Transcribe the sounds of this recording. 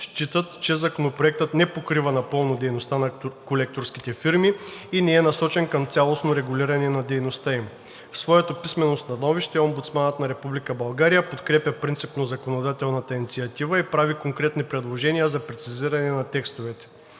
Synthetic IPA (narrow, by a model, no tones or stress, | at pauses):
ʃt͡ʃit̪ət̪t͡ʃɛzɐkonopɾoɛk̚t̪ət̪nɛpokɾivɐnɐpɤlˠnod̪ɛjnost̪anɐkolɛk̚t̪oɾsk̟it̪ɛfiɾmiinɛɛnɐsɔt͡ʃɛnkɐmt̪sʲalˠosnoɾɛɡʊlʲiɾɐnɛnɐd̪ɛjnost̪aim | fsvɔjɛt̪opismɛnost̪ɐnɔviʃt̪ɛɔmbut̪smanət̪nɐɾɛpublikəbɐlˠɡaɾijəpot̪kɾɛpjʲɐpɾint̪sipnozɐkonod̪at̪ɛlˠnɐt̪əinit̪siɐt̪ivəipɾavikoŋkɾɛt̪nipɾɛd̪lˠoʒɛnijəzɐpɾɛt̪siziɾɐnɛnɐt̪ɛkst̪ovɛt̪ɛ̥